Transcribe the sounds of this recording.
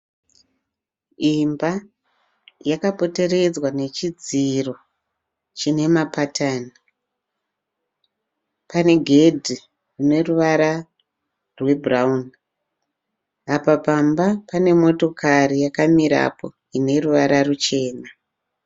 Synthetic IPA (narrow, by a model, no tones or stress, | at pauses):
imba | jakapo̞te̞ɾe̞d͡zwane̞t͡ʃid͡ziro̞ | t͡ʃine̞mapatʰaːni | pane̞ɡʱe̞dʱi | rune̞ruʋaɾa | rwe̞braun | apapambapane̞mo̞to̞karijakamiɾa̰po̞̰ | ine̞ruʋaɾarut͡ʃe̞ːna